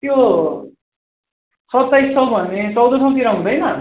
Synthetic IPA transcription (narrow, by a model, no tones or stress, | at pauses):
t̪jo | sʌt̪ːajsʰʌbʱʌnet͡sʌwd̪ʌsʰʌw̃k̪iɾaɦũd̪ʌjnʌ